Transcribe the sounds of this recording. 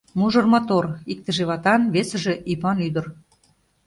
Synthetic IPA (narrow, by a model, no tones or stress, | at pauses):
muʒɤ̆rmot̪orik̚t̪ə̆ʒeβɑt̪ɑnβesə̆ʒĕʔipɑnyd̪ə̆r